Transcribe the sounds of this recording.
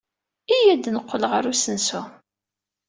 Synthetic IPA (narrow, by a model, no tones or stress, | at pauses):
ijæd̪nəqʷːəlʁəɾusənsu